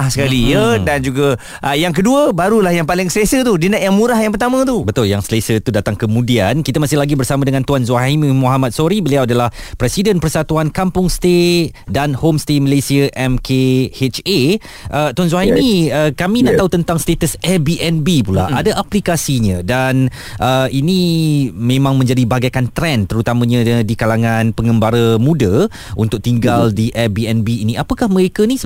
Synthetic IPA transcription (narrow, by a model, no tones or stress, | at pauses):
asəkalijədand͡ʒuɡa | ʔəjaŋk̬əduəbaɾulahjaŋpalɪŋsəlesət̪udinə̃ʔjaŋmũɾahjãŋpərt̪amə̃t̪ubət̪ʊljaŋsəlesət̪udat̪aŋkəmũdiankit̪əmasɪhlaɡibərsamadəŋãnt̪uanzuaaɦimĩmũɦamat̪̚soɾibəliawadalahpɾɛsidənpərsat̪uankampʊŋst̪ett̪̚danhomst̪eməlesiaʔɛmkʰehet͡ʃe | ʔət̪wans̬waɦimĩəkamĩnaʔt̪aut̪ənt̪aŋst̪et̪əsɛbiʔɛnbipula̰ʔʔadaʔaplikasiɲãdan | ʔəinĩmẽmãŋmə̃ɲd͡ʒadibaɡajkant̪ɾɛnt̪əɾut̪amə̃ɲãdikalaŋãnpəŋəmbaɾəmũda | ṵnt̪ʊk̚t̪iŋɡaldiʔɛbiɛnbiːnĩapakahmə̃ɾekanĩ